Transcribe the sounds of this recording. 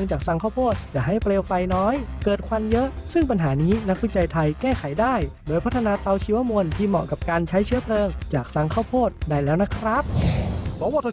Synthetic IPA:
ŋt͡ɕaː˨˩k̚sa˧ŋkʰa˥˩wpʰoː˥˩t̪̚t͡ɕa˨˩ʔɦa˥˩jpleː˧wfa˧jnɔː˦˥jkɤː˨˩t̪̚kʰwa˧njɤ˦˥ʔsɯ˥˩ŋp̬a˧nɦaː˩˦niː˦˥na˦˥k̚wi˦˥t͡ɕa˧jt̪ʰa˧jkɛː˥˩kʰa˨˩˦jdaː˥˩jdoː˧jpʰt̪ʰːnaː˧t̪ʰa˧wt͡ɕʰiː˧˥˩wa˦˥˩mu˧ənt̪ʰiː˥˩mɔ̰˨˩ka˨˩p̚kaː˧nt͡ɕʰa˦˥jt͡ɕʰɯ˦˥ɐpʰlɤː˧ŋt͡ɕaː˨˩k̚sa˧ŋkʰaː˥˩wpʰoː˥˩t̪̚daː˧˩jlɛː˦˥wna˦˥kʰɾa˦˥p̚sɔː˩˦wo˧˩t̪ʰː

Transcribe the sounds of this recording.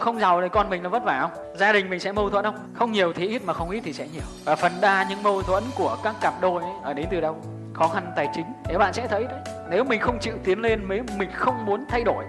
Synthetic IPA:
xə˧wŋ͡mza˨˩wzə˨˩kɔ˧nmï̟˨˩laː˨˩və˦˥t̚vaː˧˩ʔə˧wŋ͡m | zaː˧ɗï˨˩ŋ̟mï̟˨˩sɛ̰˧˥mo˧wt̪ʰwə̰˧˥nʔə˧wŋ͡mxə˧wŋ͡mɲi˨˩əwt̪ʰi˨˦i˦˥t̚maː˨˩xə˧wŋ͡mʔi˦˥t̚t̪ʰi˨˩sɛ̰˧˥ɲi˨˩əwvaː˨˩fə˨˩nɗaː˧ɲɨ̰˧˥ŋmo˧t̪ʰwə̰˧˥nku˧˩əkaː˦˥kːaː˨˩p̚ɗo˧jə˨˦jʔəː˧˩ɗe˨˦nt̪ɨ˨˩ɗə˧w | xɔ˨˦xa˧ŋt̪aː˨˩jt͡ɕï˨˦ŋ̟ne˨˦wɓa̰ː˧˨nsɛ̰˧˥t̪ʰə˨˦ʔi˦˥t̚ʔə˨˦ | ne˨˦wmï˨˩ŋ̟xə˧wŋ͡mt͡ɕḭ˧˨t̪i˨˦ənle˧nme˨˦mï˨˩ŋ̟xə˧wŋ͡mmu˨˦ənt̪ʰa˧jɗo˧˩j

